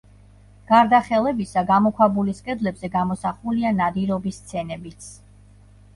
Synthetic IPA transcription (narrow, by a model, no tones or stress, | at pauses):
ɡ̥aɾd̪aχɛlˠɛbisaɡamɔkʰwabuliskʼɛd̪lɛbzɛɡamɔsaχulianad̪iɾɔbist̪sʰɛnɛbit̪sʰ